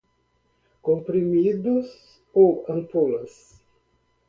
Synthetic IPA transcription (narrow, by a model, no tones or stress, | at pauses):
kompɾimid̪us | oanpolas